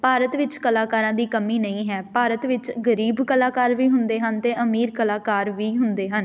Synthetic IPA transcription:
paːɾət̪ʋɪt͡ʃkəlaːkaːɾãːd̪iːkəmiːnəĩːɦɛːpaːɾət̪ʋɪt͡ʃɡəɾiːbkəlaːkaːɾʋiːɦʊnd̪eːɦənt̪eːʔəmiːɾkəlaːkaːɾʋiːɦʊnd̪eːɦən

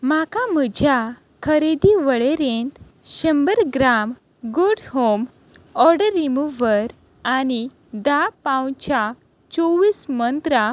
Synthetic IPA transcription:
makaməd͡ʑʱja | kʰəɾed̪iʋəɭeɾent̪ | ɕə̃mbəɾɡɾam | ɡoɽɦom | ɔɾɖəɾimuʋəɾ | ani | d̪apãwt͡ɕa | t͡soʋiːsmənt̪ɾa

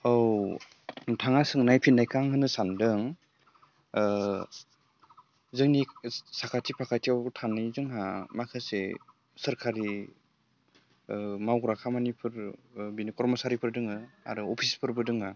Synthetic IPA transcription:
ɔw | tʰaŋasɯŋnajpʰinːajkaŋhɯnɯsandɯŋ | zɯŋnisakʰatʰipʰakʰatiawtʰanɯjzɯŋɦamakʰɯse | səɾkʰaɾi | mawɡɾakʰamanipʰɯɾbinikɔɾmɔsaɾipʰɯɾdɯŋɯa̰ɾɯɔpʰispʰɯɾbɯdɯŋa

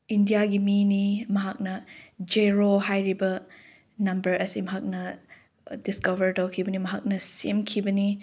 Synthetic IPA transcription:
indijaɡiminimɐɦak̚nɐd͡ʒeɾoɦajɾibɐ | nɐmbɐɾʔɐsimɐɦak̚nɐ | diskɐbɐɾdawkʰibɐnimɐɦak̚nɐsemkʰibɐni

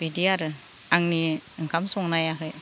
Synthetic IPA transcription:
bidiaɾɯ | aŋniŋkʰamsɔŋnajakʰɯj

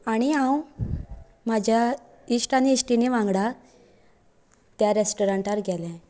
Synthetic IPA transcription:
aɽ̃iãw | mad͡ʑʱja | isʈaniːsʈineʋãŋɡɽa | t̪jaɾesʈoɾaɳʈaɾɡɛlɛ̃

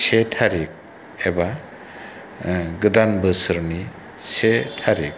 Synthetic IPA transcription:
setʰaɾik̚ | eba | ɡɯd̪anbɯsɯɾni | setʰaɾik̚

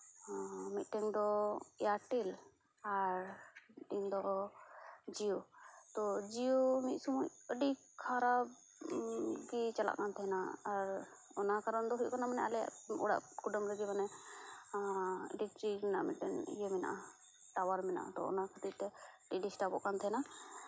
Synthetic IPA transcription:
mit̪̚ˀʈɛŋd̪ɔɛjaʈɛl | aɾdind̪ɔ | d͡ʒijut̪ɔd͡ʒijumit̪̚sumujəɖiʔ | kʰaɾab | kit͡ʃala̰ʔnat̪ʰɛɦɛnaaɾ | ɔnakaɾand̪ɔɦuc̚kɔnamanɛʔalɛja̰ʔṵɽa̰ʔkuɖɔmɾəɡɛbanɛ | ɖikʈɾiɾɛnaʔmit̪̚tɛŋḭjemɛna̰ʔa | ʈawaɾmɛna̰ʔa̰t̪ɔ̰ɔ̰nakʰət̪ip̚t̪ɛɖiɖisʈabɔʔkant̪ʰɛna

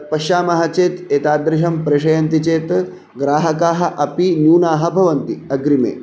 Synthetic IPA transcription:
pɐʃaːmɐɦɐt͡ʃeːt̪eːt̪aːd̪ɾɪʃɐmpɾeʃɐjɐnt̪it͡ʃeːt̪ | ɡɾaːɦɐkaːɦɐ̆ʔɐpinjuːnaːɦɐ̆bʱɐʋɐnt̪iɐɡɾimḛː

